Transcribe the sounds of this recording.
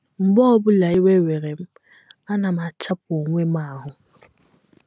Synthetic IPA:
m̩˨bɔ˦ɔ˦bʊ˦la˨i˦we˦we˨ɾe˨m̩˦ | a˦na˨m˨a˨t͡ʃa˦p̚o˨ŋʷe˦ma˦˨ɦʊ˦

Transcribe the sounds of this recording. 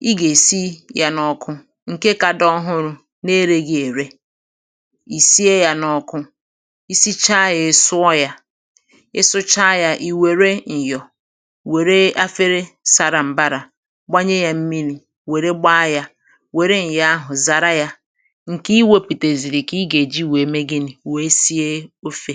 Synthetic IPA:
i˦ɡe˨si˦ja˨nɔ˨kʊ˦ | ŋ̩˨ke˦ka˨dɔ˦ɦʊ˦ɾʊ˦ | ne˦ɾe˦ɡi˦e˨ɾe˦ | i˨si˦e˦ja˨nɔ˦kʊ˦ | i˦si˦t͡ʃa˦je˨˦sʊ˦ɔ˦ja˦ | e˦sʊ˦t͡ʃa˦ja˦ʔi˨we˨ɾe˦n̩˨jɔ˨ | we˨ɾe˦a˦fe˦ɾe˦sa˨ɾa˨m̩˨ba˦ɾa˨ | ɡ͡ba˦ɲe˦ja˦m̩˦mi˦li˨ | we˨ɾe˦ɡ͡ba˦ja˦ | we˨ɾe˦n̩˨ja˦a˦ɦʊ˨za˨ɾa˦ja˦ | ŋ̩˨ki˦i˦we˦pi˨te˨zi˨ɾi˨ki˦ɡe˨d͡ʒi˦we˨me˦ɡɪ˦nɪ˨we˦si˦e˦o˦fe˦

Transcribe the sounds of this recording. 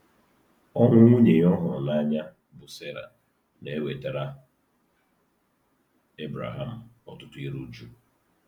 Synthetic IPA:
ɔ˦ŋʷʊ˦ŋʷu˦ɲe˨˦ɔ˦ɦʊ˨ɾʊ˨na˦ɲa˦ | bʊ˨se˦ɾa̰˨ | ne˨e˦we˨te˨ɾa˦ | e˦bɾa̰˨ɦa˨m̩˨ɔ˦tʊ˦tʊ˦i˦ɾu˦d͡ʒu˦

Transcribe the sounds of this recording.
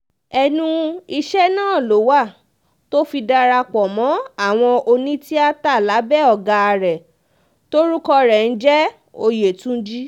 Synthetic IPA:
ɛ˧nũ˧i˧ʃɛ˦nãː˦˨lo˨˦wa˦˨ | to˦fi˧da˧ɾa˧k͡pɔ˨mɔ̃˨˦a˦˨w̃ɔ̃˧o˧nĩ˦ti˦a˦ta˦˨la˨˦bɛ˦ɔ˦˨ɡa˧a˧ɾɛ˨ | to˦ɾu˦kɔ˧ɾɛ˨n̩˦d͡ʒɛ˦ | o˧je˨tũ˦d͡ʒi˦

